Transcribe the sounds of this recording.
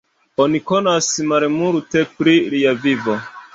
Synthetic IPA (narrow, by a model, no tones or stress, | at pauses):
oniko̞nasmaɾmuɾute̞pɾiliavivo̞